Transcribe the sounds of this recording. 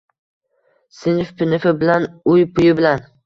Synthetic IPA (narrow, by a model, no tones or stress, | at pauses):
sɪnɪfpʰɪnɪfɪbɪlanʊjpʰʊjɪbɪlan